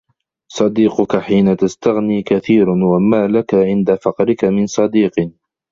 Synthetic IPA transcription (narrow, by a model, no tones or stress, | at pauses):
sˤɑd̪iːqʊkaħiːnat̪ast̪aɣniːkaθiːɾwamaːlakaʕɪnd̪afɑqɾɪkamɪnsˤɑd̪iːq